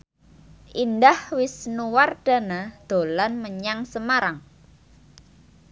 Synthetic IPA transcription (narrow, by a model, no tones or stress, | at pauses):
ʔindahwɪsnuward̥a̤nad̪̥o̤lanməɲaŋsəmaɾaŋ